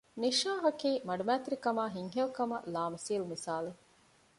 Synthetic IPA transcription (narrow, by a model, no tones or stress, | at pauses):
niʃaːɦɐkiːmɐɖumæːt̪ɾikɐmaːɦiŋɦelkɐmɐlaːmɐsiːlumisaːle